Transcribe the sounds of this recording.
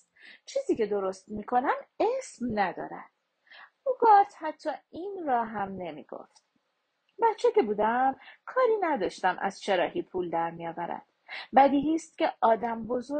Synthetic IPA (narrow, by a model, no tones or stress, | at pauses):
t͡ʃʰiːziːce̞d̪o̞ɾo̞st̪miːkʰo̞næmesmnæd̪ɒ̰ːɾæ̰d̪̥ | uɡɒːt̪hæt̪ʰːɒːiːnrɒːɦæmne̞mḭːɡ̥o̰ft̪̚ | bæt̪t͡ʃʰːece̞buːd̪æmkʰɒːɾiːnæd̪ɒːʃt̪æmʔæ̰z̥t͡ʃʰe̞ɾɒːhiːpʰuːld̪æɾmijɒːvæɾæ̰d̪̥bæd̪iːɦiːst̪̚cʲe̞ʔɒːd̪æmbo̞zo